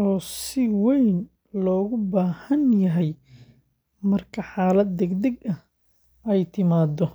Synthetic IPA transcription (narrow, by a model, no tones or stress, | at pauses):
ʔɔːsɪwɛjn | lɔːɣʊbaːhɐnjɐɦɛj | mɐrkʰɐħaːlɐd̪̚ːɛɡd̪ɛɡɐh | ɛjt̪ʰɪmaːd̪ɔ